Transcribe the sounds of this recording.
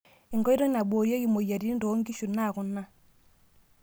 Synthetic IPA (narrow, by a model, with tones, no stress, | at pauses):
i˨ŋɡɔ˦i˦ɾɔ˦na˨bo˨ɾjo˦ɡi˨mo˨ja˨ɾi˦ndo˨˦ŋɡi˦ʃu˨na˦˨ku˨na˦